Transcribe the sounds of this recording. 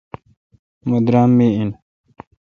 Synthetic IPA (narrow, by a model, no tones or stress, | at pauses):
mod̪ɾaːmːiin